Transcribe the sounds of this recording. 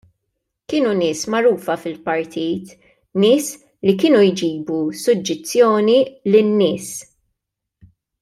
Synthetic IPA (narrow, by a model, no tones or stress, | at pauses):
kɪːnunɪːsmɐɾuːfɐfɪlpɐɾt̪iːt̪ | nɪːs | lik̬ɪːnujd͡ʒiːbusʊd͡ʒːɛt͡sːjɔːnilɪnːɪːs